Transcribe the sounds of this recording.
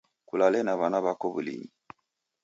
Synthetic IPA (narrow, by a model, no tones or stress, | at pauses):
kulalɛnaβanaβakɔβulḭɲi